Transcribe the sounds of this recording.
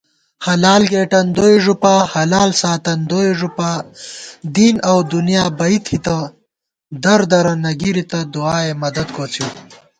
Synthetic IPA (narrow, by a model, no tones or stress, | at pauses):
hɐlaːlɡeːʈɐnd̪ojʐupahɐlaːlsaːt̪ɐnd̪oiʐupa | d̪inɐwd̪unjaːbɐit̪ʰhit̪ɐ | d̪ɐɾd̪ɐɾɐnɐɡiɾit̪ɐd̪uaːemɐd̪ɐd̪̚kot͡sʰi